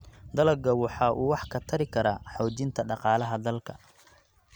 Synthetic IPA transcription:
d̪ɐlɐɡɐwɑħɑːʔuːwɑħkʰɐt̪ʰɐɾɪkʰɐɾaːħɔːd͡ʒɪnt̪ʰɐɖɑqɑːlɐɦɐd̪ɐlkʰɐ

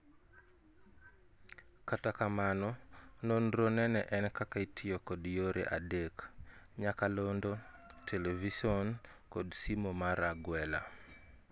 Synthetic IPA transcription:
katakamanɔnonɾonɛnɛʔɛnkakaitʰɪjokɔdjoɾḛʔadekɲakalondotʰelevisɔnkodsimomaɾaɡwɛla̰

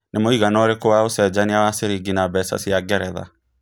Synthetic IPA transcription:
nemoiɣanɔɾekowaosɛd͡ʑaniawaseɾiɡinabɛsa̰siaɡɛɾɛða̰

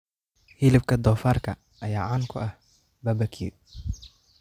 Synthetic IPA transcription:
hilɪb̚kʰɐd̪ɔːfaːrkʰɐ | ʔɐjaːʕaːŋkʰʊʔɐh | bɐbɐkʰi

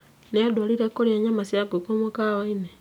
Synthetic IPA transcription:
nejadwaliɾekoɾjeɲamasjaɡokomokawaine

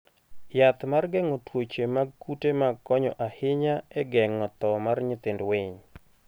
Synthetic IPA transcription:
jat̪marɡɛŋɔtwot͡ʃemaɡkutemakːɔɲɔ̰ʔahɪɲaɛɡɛŋɔt̪ɔmarɲɪt̪ɪndwɪɲ

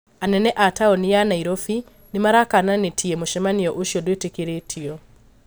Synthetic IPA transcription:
anɛnɛʔataonijanaiɾofi | nimaɾakananetʰiemuʃɛmaniɔʔoʃjɔdwetekiɾetʰiɔ

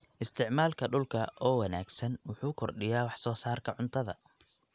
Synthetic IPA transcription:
ʔɪst̪ʰɪʕmaːlkʰɐɖʊlkʰɐʔɔːwɐna̰ːɡsɐnwʊħuːkʰɔrɖɪjaːwɑħsɔːsaːrkʰɐʕʊnt̪ʰɐðɐ̰

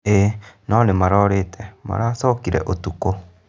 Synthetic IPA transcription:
enɔnemaɾɔɾetʰɛma̰ɾasɔkiɾɛ̰ʔotuko

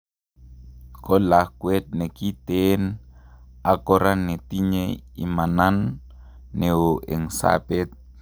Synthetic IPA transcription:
kɔlahkwɛt̪̚nekit̪en | akɔɾanːet̪iɲeḭmananː | eoʔeŋsa̰pɛt̪̚

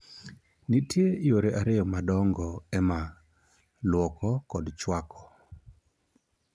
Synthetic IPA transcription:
nitjeɪoɾeʔaɾɪjɔmadɔŋɡɔɛma | lwɔkɔkɔdt͡ʃwakʰɔ̥

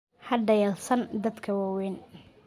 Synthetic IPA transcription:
hɐɖɐjaːlsɐnd̪ɐd̪kʰɐwawɛːn

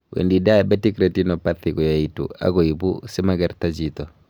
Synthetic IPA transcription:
wʔḛndidabetikɾetinɔpaθiɡɔjaitṵa̰ɡɔibṵsɛmaɡaɾtad͡ʒitɔ

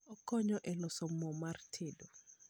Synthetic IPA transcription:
ɔkɔɲɔʔɛlɔsɔmɔmartʰedo

